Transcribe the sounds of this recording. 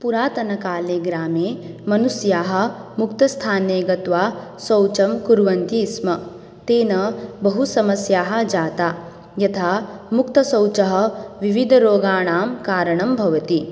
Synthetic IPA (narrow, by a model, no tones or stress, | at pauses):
puɾaːt̪ɐnɐkaːleːɡɾaːmeːmɐnusjaːɦɐ̆mukt̪ɐst̪ʰaːneːɡɐt̪ʋaːsɐwt͡ʃɐmkuɾʋɐnt̪ismɐ | t̪eːnɐbɐɦusɐmɐsjaːɦɐ̆d͡ʒaːt̪aː | jɐt̪ʰaːmukt̪ɐsɐwt͡ʃɐɦɐ̆ʋiʋid̪ʱɐɾoːɡaːɳaːmkaːɾɐɳɐmbʱɐʋɐt̪i